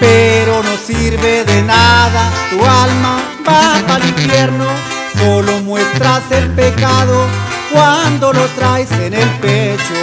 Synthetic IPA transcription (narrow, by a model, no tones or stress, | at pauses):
peɾonosiɾβeðenaðat̪ualma | bapaliɱfjeɾno | solomwe̞st̪ɾaselpekaðo | kwand̪o̞lot̪ɾajsenelpet͡ʃo